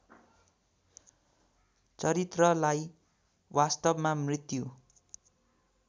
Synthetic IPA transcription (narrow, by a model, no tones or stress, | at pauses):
t͡sʌɾit̪rʌlaj | wast̪ʌbmamrit̪ju